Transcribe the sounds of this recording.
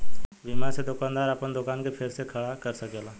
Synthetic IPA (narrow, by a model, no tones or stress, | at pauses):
bimaɾsed̪ʊkaːnd̪aːɾɐpənd̪ʊkaːnkepʰɪɾsekʰɐɽakəɾsɐkelaː